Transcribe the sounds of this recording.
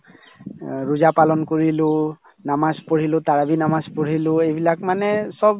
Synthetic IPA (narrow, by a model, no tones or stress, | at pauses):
ɹuzapalɔnkoɹilʊ̃ | namaspoɹilʊ̃taɹabinamaspoɹilʊ̃ejbilakmanɛsɔb̚